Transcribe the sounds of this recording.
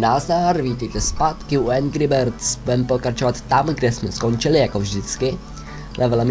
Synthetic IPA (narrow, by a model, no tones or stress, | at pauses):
naːzaɾviːt̪ɛjt̪ɛspat̪kɪuɛnɡɾɪbɛɾt̪sbudɛmpokɾat͡ʃovat̪ːamɡdɛsmɛsko̞nt͡ʃɪlɪjakovʒdɪt͡skɪ | lɛvɛlɛm